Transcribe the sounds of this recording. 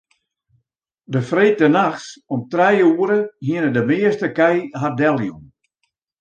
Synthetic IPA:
dəfreːt̚dənaxsɔmtrɛjuəɾəhiənədəmɪːəstəkɛjɦadɛlˠjum

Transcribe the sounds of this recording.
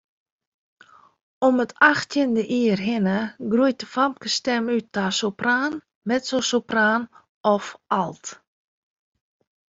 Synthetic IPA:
ɔmətaxtjəndəʔiərɦɪnəɡrujt̚əfam̚kəstɛmytːasopraːn | mɛtsosopraːn | ɔfalˠt

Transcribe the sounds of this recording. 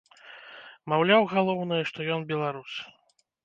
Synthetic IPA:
mawlʲawɣalˠɔwnɨjɐʂt̪ɔjɔnbʲɛlˠaɾus

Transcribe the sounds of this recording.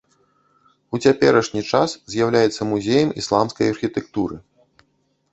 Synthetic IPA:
ut͡sʲapʲɛɾɐʂnʲit͡ʂaszʲjawlʲajɛt̪sːɐmuzʲejɐmislˠamskɐjɐrxʲit̪ɛk̚t̪uɾɨ

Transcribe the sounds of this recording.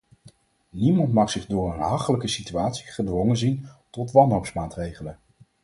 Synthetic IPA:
nimɑntmɑχsɪχdʊːɹənɦɑχələkəsityaːtsi̥χədʋɔŋənzintɔtʋɑnɦowpsmaːtrejχələn

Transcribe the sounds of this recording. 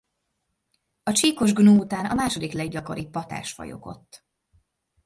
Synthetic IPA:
ɒt͡ʃiːko̞ʒɡnuːut̪aːnɒ̰maːʃo̞d̪iklɛɡɟɒko̞ɾipɒt̪a̰ːʃfɒ̰jo̞̰ko̞̰t̪ː

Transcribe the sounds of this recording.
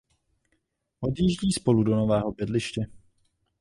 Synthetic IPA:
ʔo̞d̪jiʒɟiːspo̞ludo̞no̞vɛːɦo̞bjɛdlɪʃcɛ

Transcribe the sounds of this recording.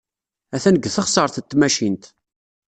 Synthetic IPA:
æθænəɡːθəχsˤəɾˤθət̪ːmæʃint̪

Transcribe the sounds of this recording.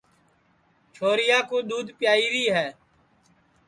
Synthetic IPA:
t͡ʃʰoːɾɪjaːkoːɗ̪uːd̪pjaːiːɾiːɦɛː

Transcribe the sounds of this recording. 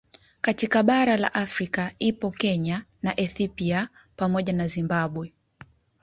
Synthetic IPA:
katikaɓaɾala̰ʔafɾikaipɔkɛɲanaʔɛθɔpia | pamɔʄanazimbaɓwɛ

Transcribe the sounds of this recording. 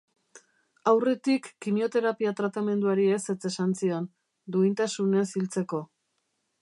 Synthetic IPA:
awre̞t̪ikːimio̞t̪e̞ɾapiat̪ɾat̪ame̞nd̪uaɾie̞se̞t͡se̞sansio̞n | d̪uint̪asunesilt͡se̞ko̞

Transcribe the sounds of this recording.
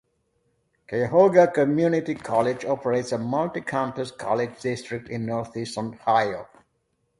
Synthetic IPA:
kʰeɦoɡəkəmjunɪtikʰɔlɪd͡ʒɔpəɹeɪtsəmʌltikʰãʊ̃npəskʰɔ̰lɪd͡ʒdɪstɹɪk̚tɪ̃nːɔɹθɪ̃sə̃nhaɪo

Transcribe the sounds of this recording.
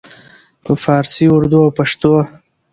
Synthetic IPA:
pəfɑːɾsiʊɾd̪uawpaʂt̪o

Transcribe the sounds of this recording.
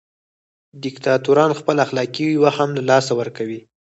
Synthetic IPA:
d̪ɪkt̪ɑt̪uɾɑnxpəlaxlɑkiwiwaxamlalɑsawəɾkawi

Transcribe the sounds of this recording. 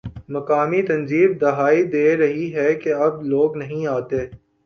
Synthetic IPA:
mɐkaːmit̪ɐ̃nziːb̚d̪ɐɦaːid̪eːɾɐɦiɦɛkeɐb̚loːɡnɐɦĩaːt̪eː

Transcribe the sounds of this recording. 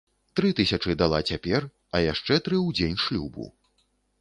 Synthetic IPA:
t̪ɾɨt̪ɨsʲɐt͡ʂɨd̪alˠat͡sʲapʲɛr | ɐjaʂt͡ʂɛt̪ɾɨwd͡zʲenʲʂlʲubṵ

